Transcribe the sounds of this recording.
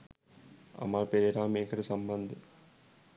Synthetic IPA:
ɐ̰maːlpeɾeɾaːmeːkɐɽesɐmbɐnd̪ʱi

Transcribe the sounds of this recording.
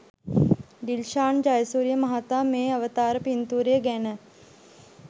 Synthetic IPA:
ɖ̪ilʃaːɳd͡ʒaːjəsuːɾijəməɦat̪aːmeːəʋət̪aːɾəpint̪uːɾijəɡænə

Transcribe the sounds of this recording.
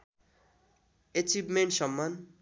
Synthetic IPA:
et͡sibmeɳʈsʌmːan

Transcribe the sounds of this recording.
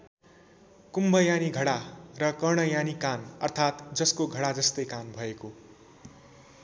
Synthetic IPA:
kumbʱʌjaniɡʱʌɽarʌkʌɽ̃ʌjanikanʌrt̪ʰat̪d͡zʌskoɡʱʌɽad͡zʌst̪ʌjkanbʱʌeko

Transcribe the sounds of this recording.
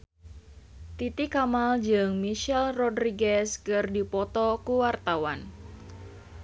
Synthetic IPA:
t̪it̪ikamald͡ʒɨŋmiʃɛlrɔdɾiɡɛskɨrdipɔt̪ɔkuwart̪awan

